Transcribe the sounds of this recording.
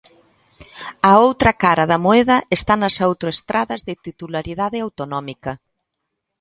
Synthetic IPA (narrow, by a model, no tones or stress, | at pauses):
ɐowt̪ɾɐkaɾɐðɐmoɛðɐʔest̪anɐsawt̪ɾoest̪ɾʔaðɐzðɪt̪it̪ulaɾiðaðɪawt̪onɔmikɐ